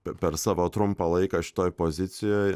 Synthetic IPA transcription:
ɛpʲɛɾsɑːʋoːt̪ɾʊmpɐlˠɐɪkɐʃʲɪ̥t̪oːjpozʲɪt̪sʲɪjoːj

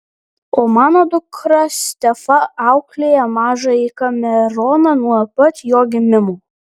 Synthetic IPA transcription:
oːmɑːnoːd̪ʊkɾɐsʲt̪ʲɛfɐɑʊklʲeːjɛmɑːʒɐikɐmʲɛɾɔːnɐnuɔpɐt̪joːɡʲɪmʲɪmuː

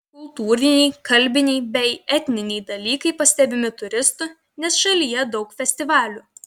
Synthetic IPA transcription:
kʊlˠt̪uːɾʲɪnʲɛɪkɐlʲbʲɪnʲɛɪbʲɛɪɛt̪ʲnʲɪnʲɛɪd̪ɐlʲiːkɐɪpɐsʲt̪ʲɛbʲɪmʲɪt̪ʊɾʲɪst̪ʊ | nʲɛsʃɐlʲijɛd̪ɒʊkfʲɛsʲt̪ʲɪʋɑːlʲuː

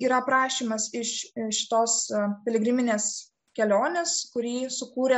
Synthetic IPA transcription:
iːɾɐpɾɑːʃʲiːmɐsɪʃʃʲɪ̥t̪oːspʲɛlʲɛɡɾʲɪmʲɪnʲeːs | kʲɛlʲoːnʲeːskʊɾʲiːsʊkuːɾʲeɛ

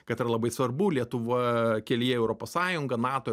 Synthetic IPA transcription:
kɐt̪ɪɾɐlˠɐbɐɪsʋɐrbuːlʲiɛt̪ʊʋɐkʲɛlʲɪjɛɛʊɾoːpoːssɑːjʊŋɡɐnɑːt̪oː

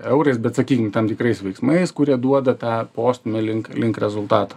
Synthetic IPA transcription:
ɛʊɾɐɪsbʲɛt̪sɐkʲiːkʲɪŋt̪ɐmt̪ʲɪkɾɐɪsʋʲɛɪksmɐɪskʊɾʲiɛd̪uɔd̪ɐt̪ɑːpoːsʲt̪ʲʊmʲɪlʲɪŋklʲɪŋkɾʲɛzʊlˠt̪ɑːt̪ɐ̥

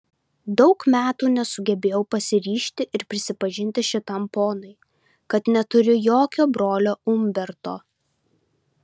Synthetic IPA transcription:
d̪ɒʊkmʲæːt̪uːnʲɛsʊɡʲɛbʲeːjɛʊpɐsʲɪɾʲiːʃʲt̪ʲɪʔɪɾpʲɾʲɪsʲɪpɐʒʲɪnʲt̪ʲɪʃʲɪt̪ɐmpoːnɐɪ | kɐt̪nʲɛt̪ʊɾʲʊjoːkʲoːbɾoːlʲoːʊmʲbʲɛɾt̪oː

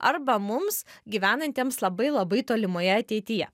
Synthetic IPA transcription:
ɐ̰ɾbɐmʊmsɡʲiːʋʲæːnɐnʲt̪ʲeɛmslˠɐbɐɪlˠɐbɐɪt̪oːlʲɪmoːjɛɐt̪ʲɛɪt̪ʲɪjɛ̰

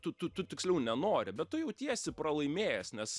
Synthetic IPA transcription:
t̪ʊt̪ʊt̪ʊt̪ʲɪksʲlʲɛʊnʲɛnoːɾʲɪbʲɛtt̪ʊjɛʊt̪ʲiɛsʲɪpɾɐlˠɐɪmʲeːjɛsnʲɛs

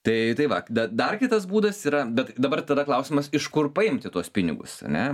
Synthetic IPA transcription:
t̪ɐɪt̪ɐɪʋɐd̪ɐd̪ɐrkʲɪt̪ɐs̬buːd̪ɐsiːɾɐbʲɛt̪d̪ɐbɐrt̪ɐd̪ɐklˠɐʊsʲɪmɐsɪʃkʊrpɐɪmʲt̪ʲɪt̪uɔspʲɪnʲɪ̰ɡʊ̰sɐ̰nʲɛ

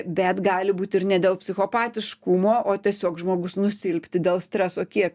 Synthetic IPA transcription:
bʲɛt̪ɡɑːlʲɪbuːt̪ʲɪrnʲɛd̪ʲeːlˠpʲsʲɪxoːpɑːt̪ʲɪʃkʊmoːʔoːt̪ʲiɛsʲoːkʒmoːɡʊsnʊsʲɪlʲpʲt̪ʲɪd̪ʲeːlˠsʲt̪ʲɾʲɛsoːkʲiɛk

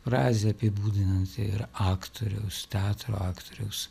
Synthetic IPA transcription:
fɾɑːzʲeɐpʲɪbuːd̪ʲɪnɐnt̪ʲɪ̰ɾɑːkt̪ʰoɾʲɛ̰ʊst̪ʲæːt̪ɾo̰ːɑːkt̪oːɾʲɛʊs

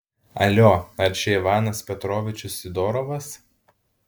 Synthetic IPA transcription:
ɐ̰lʲoɐɾʲt͡ʃʲɛɪʋɑːnɐspʲɛt̪ɾɔːʋʲɪt͡ʃʲʊsʲɪd̪ɔːɾɔʋɐs

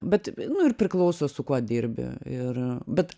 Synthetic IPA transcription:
bʲɛt̪nʊɪrpʲɾʲɪklˠɐʊsoːsʊkuɔd̪ʲiːɾʲbʲɪ̰ɪrbʲɛt̪

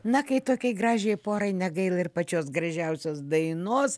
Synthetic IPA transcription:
nɐkɐɪt̪oːkʲɛɪɡɾɑːʒʲɛɪpoːɾɐɪnʲɛɡɐɪlˠɐɪrpɐt͡ʃʲoːs̬ɡrɐʒʲɛʊsʲoːsd̪ɐɪnoːs

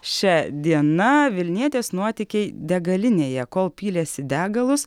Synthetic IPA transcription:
ʃʲɛd̪ʲiɛnɐʋʲɪlʲnʲiɛt̪ʲeːsnuɔt̪ʲɪkʲeɪd̪ʲɛɡɐlʲɪnʲeːjɛkoːlˠpʲiːlʲeːsʲɪd̪ʲæːɡɐlˠʊs

